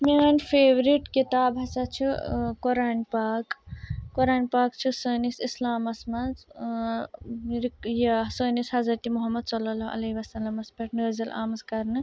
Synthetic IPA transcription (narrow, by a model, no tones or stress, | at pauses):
menpʰeːbɾiʈkit̪aːbʱɐsat͡ʃʰikoɾaːnpakːoɾaːnpaːkt͡ʃʰisənisislaːmɐsmɐd͡z | ɾijasonisɦazɐt̪imuɦɐmːɐd̪sɐlɐlɦɐ̰leɦiʋɐsɐlːɐmɐspɐʈnezɐlʔa̰mɐskɐɾnɨ